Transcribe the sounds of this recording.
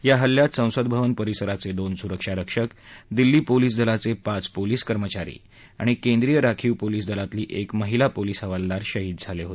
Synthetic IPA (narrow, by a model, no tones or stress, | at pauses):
jaɦəlːjat̪sə̃w̃səd̪̚bʱəʋənpəɾisəɾat͡sed̪onsuɾəkʂaɾəkʂəkd̪ilːiːpoliːs̬d̪ʱəlat͡sepat͡spoliːskəɾmət͡ɕaɾḭː | a̰ɽ̃ikẽnd̪ɾijəɾakʰiːwpoliːsd̪ʱəlat̪liːʔekməɦilapoliːsɦəʋald̪aɾɕəɦiːd̪̚d͡zʱaleɦot̪e̥